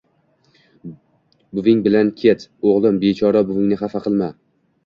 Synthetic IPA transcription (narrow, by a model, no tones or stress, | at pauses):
bʊvɪŋbɪlankʲʰet̪oʁlˠɪmbe̞t͡ʃʰɒɾabʊvɪŋnɪχafaqʰɨlˠma